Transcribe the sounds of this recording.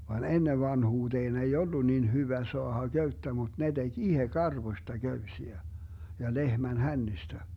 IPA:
ʋɑn enːeʋ ʋɑnhuːteːn ei olːu niːn hyʋæ soɑhɑ ɡ̊øytːæ mut ne d̥eɡ̊ ihe kɑrʋosʲtɑ ɡ̊øysiæ jɑ lehmæn hænːistæ

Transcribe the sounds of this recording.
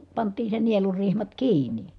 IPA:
pɑntˑiːn̞ se nielurːihmɑt kiːnˑi

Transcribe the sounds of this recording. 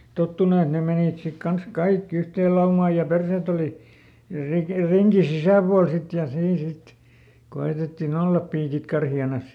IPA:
totːunu et ne meniˑt sik kɑns kɑikːi yhteːl lɑumɑː jɑ perseˑt oli rik riŋki sisæˑpuɑl sit jɑ siːn sit koeˑtetːin olːɑp piːkit kɑrhiɑnɑs

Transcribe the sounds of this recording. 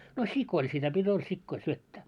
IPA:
no sikˑoil sitæ pitʲ ol sikːoil syøtːæː

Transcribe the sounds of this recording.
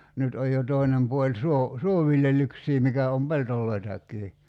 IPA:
nyt oj jo toˑinem puolʲ suo suoʋiljelˑyksiː mikæ om peltolˑoitɑkːiː

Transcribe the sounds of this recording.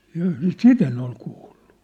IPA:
jɑː sit en ol kuːll̥u̥

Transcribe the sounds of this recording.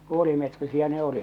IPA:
puolimetrisiæ ne olit

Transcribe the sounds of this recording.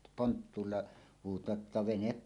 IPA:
pontːuːlːɑ huːtˑɑːt ʔetːæ ʋenep

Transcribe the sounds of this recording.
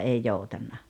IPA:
ei joutɑnːɑ

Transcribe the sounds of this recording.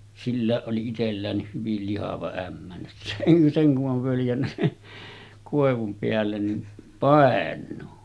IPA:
silːæˑeʔ ʔoli itelːæːnːiːh hyʋil lihɑʋɑ æmːæ seŋ kuʔ ʔoʋ ʋøljænːæ sin̥ːe̥ koˑeʋum peælːen nin pɑˑenˑuː

